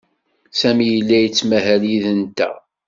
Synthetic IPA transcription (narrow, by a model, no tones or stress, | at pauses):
sæmijəlːæjət͡sːmæɦæliðənt̪æ̰